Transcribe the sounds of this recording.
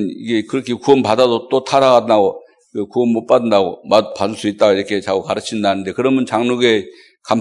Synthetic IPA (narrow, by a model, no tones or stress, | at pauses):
niɡe̞kɯɾʌkʰekuʌmpadadot͈otʰaɾaɣaddaɡo | kekuʌmːot̚p͈adɯndaɡomapadɯɭs͈uit̚t͈aɡaiɾʌkʰe̞t͡ɕaɡukaɾɯt͡ɕʰindanɯnde̞kɯɾʌmjʌnt͡ɕaŋnuɡe̞ | kam